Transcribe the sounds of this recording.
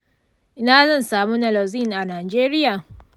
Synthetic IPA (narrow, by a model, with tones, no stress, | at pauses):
ʔɪ˦naː˨zɐ˦nsaː˨mu˦nɐ˨lo˨zi˦nʔa˨naː˨d͡ʒeː˦ɾɪ˦jaː˨